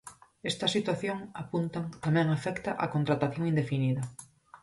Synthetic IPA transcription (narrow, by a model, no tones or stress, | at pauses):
ɛst̪ɐsit̪waθjoŋapunt̪aŋt̪amɛ̃ŋafɛkt̪ɐʔakont̪ɾat̪aθjoŋĩnd̪efiniðɐ